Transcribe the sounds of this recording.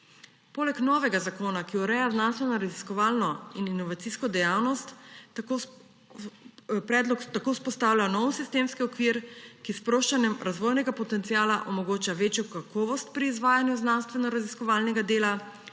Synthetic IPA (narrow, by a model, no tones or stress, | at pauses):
poːlɛknɔʋɛɡazakoːnakiuɾɛjaznanst̪ʋɛnɔɾaziskɔʋaːlnɔininɔʋat̪siskɔd̪ɛjawnɔst̪ko | pɾɛːd̪lɔkt̪akoːspɔst̪aːwlʲanɔwsist̪eːmskiɔkʋiɾkispɾoːʃt͡ʃanjɛmɾazʋɔːjnɛɡapɔt̪ɛnt̪sijaːlaʔɔmɔɡoːt͡ʃaʋeːt͡ʃjɔkakɔːʋɔst̪̚pɾiːzʋaːjanjuznanst̪ʋɛnɔɾaziskɔʋalnɛɡad̪eːla